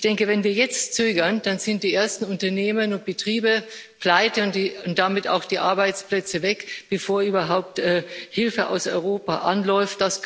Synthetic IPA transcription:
ɪçd̥ɛŋkəvɛnviːɐjɛt͡stt͡søːɡɐnd̥anzɪnt̚d̥iːʔeːɐstn̩ʊntɐneːmənʊnt̚b̥ətʁ̥iːbəpl̥aɪtəʊnʊnt̚d̥amɪta̰ʊxd̥iːʔaɐbaɪt͡splɛt͡səvɛkb̥əfoːɐyːbɐɦaʊp̚tɛːhɪlfəʔa̰ʊsɔʏʁ̞oːpaʔanlɔʏft̚d̥as

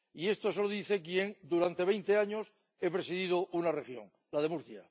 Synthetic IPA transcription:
ie̞st̪osoloðiθe̞kje̞ŋd̪uɾant̪e̞βe̞jnt̪eaɲo̞s | e̞pɾe̞siðið̞ounarexjo̞̰ŋ | lað̞e̞muɾθja̰

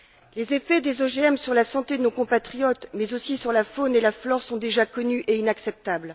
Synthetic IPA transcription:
lezefɛd̪ezoʒeɛmsyʁlasɑ̃t̪ed̪ənokɔ̃pat̪χijɔt̪mɛzosisyʁlafonelaflɔʁsɔ̃d̪eʒakɔnyʔeinaksɛp̚t̪abl

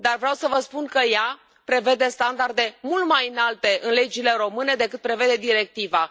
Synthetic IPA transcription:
d̪arvɾeawsəvəspunkəja | pɾe̞ve̞d̪e̞st̪and̪ard̪e̞mult̪majɨnalt̪e̞ʔɨnle̞d͡ʒile̞ɾo̞mɨne̞d̪e̞kɨt̪̚pɾe̞ve̞d̪e̞d̪iɾe̞k̚t̪iva

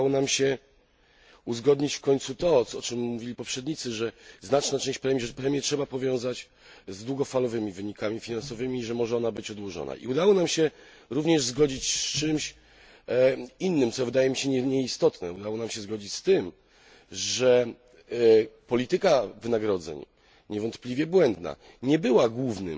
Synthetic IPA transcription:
wɔnamɕɛ | uzɡɔd̪ɲit͡ɕfkɔɲʲt̪sut̪ɔɔt͡ʂɘmːuvʲilʲipɔpʂɛd̪̚ɲit̪sɘʐɛznat͡ʂnat͡ʂɛ̃w̃ɕt͡ɕpɾɛmʲjɛʐɛpɾɛmʲjɛtʂɛbapɔvʲjɔ̃w̃zat͡ɕ | zd̪wuɡɔfalɔvɘmʲivɘɲikamʲifʲinansɔvɘmʲiːʐɛmɔʐɛɔnabɘt͡ɕɔd̪wɔʐɔ̰na̰ʔḭud̪awɔnamɕɛ | ɾuvɲɛʐzɡɔd͡ʑit͡ɕst͡ʂɘmɕ | inːɘmt̪sɔvɘd̪ajɛmʲiɕɛɲɛɲɛist̪ɔt̪nɛ̰ud̪awɔnamɕɛzɡɔd͡ʑit͡ɕst̪ɘm | ʐɛ | pɔlʲit̪ɘkavɘnaɡɾɔd̪zɛ̰ɲ | ɲɛvɔnt̪plʲivʲjɛbwɛnd̪na̰ | ɲɛbɘwaɡwuvnɘ̰m

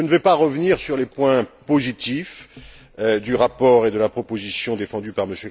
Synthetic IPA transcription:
ənəvɛpaʁəvniʁsyʁlepwɛ̃pozit̪if | d̪yʁapɔʁed̪əlapχɔpozisjɔ̃d̪efɑ̃d̪ypaʁməsjø

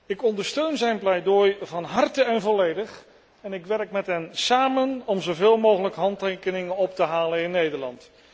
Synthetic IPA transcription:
ɪkɔndəɹstøɥnzɛjnplɛjdojvɑnɦɑrtəɛnvɔlejdəχ | ɛnɪkʋɛrkmɛtɦɛnsaːmənɔmzowvɪːlˠmowχələkɦɑntejkənɪŋənɔp̚təɦaːlənɪnːejdəɹlɑ̰nt

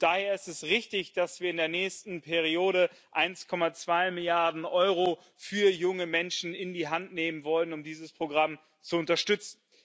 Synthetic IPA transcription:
d̥aːheːɐɪstɛsʁɪçtɪçd̥asv̥iːɐɪndeːɐnɛːçstn̩pʰɛʁioːɾə | ʔaɪnskʰɔmat͡sv̥aɪmɪljaɐdn̩ʔɔʏʁo | fyːɐjʊŋəmɛnʃn̩ɪndiːɦantneːmənvɔlənʊmdiːzəspʁ̥oɡʁam | t͡suʊntɐʃtʏt͡sn̩

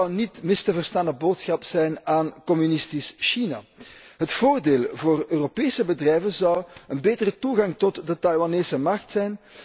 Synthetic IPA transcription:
wnitmɪstəvərstaːnəboːtsxɑpz̥ɛjnaːnkɔmynɪstisʃina̰ɦətfoːrdeːlˠvoːrøːropeːsəbədrɛjvənzɑwənbeːtərətuɣɑŋtɔtdətɑjwaneːsəmɑxtsɛjn

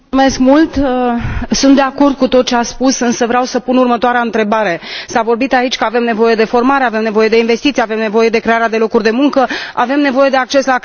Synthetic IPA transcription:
umeskmult̪əsunt̪d̪e̞ako̞rd̪̚kut̪o̞t̪̚t͡ʃeaspusɨnsəvɾeawsəpunurmət̪oaɾeaɨnt̪ɾe̞baɾe̞savo̞rbit̪ait͡ʃʲkəave̞mne̞vo̞je̞d̪e̞fo̞rmaɾe̞ave̞mne̞vo̞je̞d̪e̞inve̞st̪it̪sieave̞mne̞vo̞je̞d̪e̞kɾe̞aɾead̪e̞lo̞kurʲd̪e̞muŋkəa̰ve̞mne̞vo̞je̞d̪e̞ak̚t͡ʃe̞sla

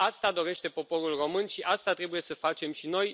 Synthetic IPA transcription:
ast̪ad̪o̞ɾe̞ʃt̪e̞po̞po̞ɾulro̞mɨnʃiʔast̪at̪ɾe̞buje̞səfat͡ʃe̞mʃino̞j

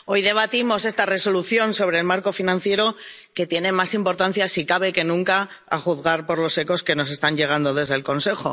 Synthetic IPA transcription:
o̞jðe̞β̞at̪imo̞se̞st̪are̞so̞luθjo̞nso̞β̞ɾe̞ːlmaɾko̞finãn̟θje̞ɾo̞ke̞t̪je̞ne̞masimpo̞ɾt̪an̟θjasikaβ̞e̞ke̞nũŋka | a̰xuðɣaɾpoɾlo̞se̞ko̞ske̞no̞s̬e̞st̪aɲʎe̞ɣ̞and̪o̞ð̞e̞zðe̞lko̞nse̞xo̞̰

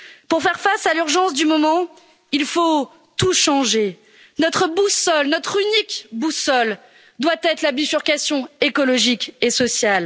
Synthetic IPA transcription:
puʁfɛʁfasalyʁʒɑ̃sd̪ymɔmɑ̃ | ilfo | t̪uʃɑ̃ʒe | nɔt̪χəbusɔlnɔt̪χynikbusɔl | d̪wat̪ɛt̪χlabifyʁkʲasjɔ̃ekɔlɔʒikesɔsjal

